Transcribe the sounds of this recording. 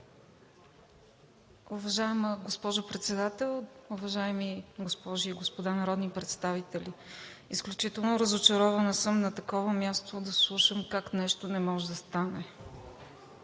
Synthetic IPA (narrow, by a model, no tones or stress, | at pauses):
ʊvɐʒaɛməɡospɔʒʊpɾɛt̪sɛd̪at̪ɛlˠʊvɐʒaɛmiɡospɔʒiːɡospod̪anɐɾɔd̪nipɾɛt̪st̪avit̪ɛlʲiisklʲut͡ʃit̪ɛlˠnoɾəzot͡ʃɐɾɔvɐnəsɤmnɐt̪ɐkɔvəmʲjast̪od̪ɐslˠuʃəmkaknɛʃt̪onɛmɔʒɛd̪ɐst̪anɛ